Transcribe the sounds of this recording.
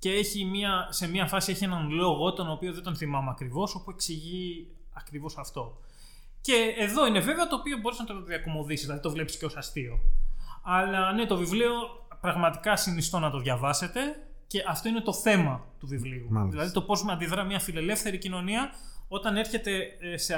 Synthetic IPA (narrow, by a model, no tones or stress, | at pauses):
ce̞e̞çimiɐse̞miɐfɐsieçienɐnlo̞ɣo̞t̪o̞nopio̞ðed̪o̞nθimɐmeɐkɾivo̞so̞pue̞ksiʝi | ɐkɾivo̞sɐft̪o̞ | ce̞ːðo̞ine̞ve̞veɐt̪o̞ːpio̞bo̞ɾesnɐt̪ooðiɐko̞mo̞ðisizðilɐðit̪o̞vlepsi̥sceo̞sɐst̪io̞ | ɐlɐne̞t̪o̞vivlio̞ | pɾɐɣmɐt̪i̥kɐsinist̪o̞nɐt̪o̞ðʝɐvɐse̞t̪e̞ | ce̞ʔɐft̪o̞ine̞t̪o̞θe̞mɐt̪uvivliuðilɐðit̪o̞po̞zmeɐnd̪iðɾɐmɲɐfile̞le̞fθe̞ɾicino̞niɐ | o̞t̪ɐne̞ɾçe̞t̪e̞se